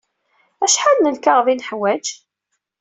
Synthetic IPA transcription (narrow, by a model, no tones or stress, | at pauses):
æʃħalnənkaʁvinəħwæd͡ʒ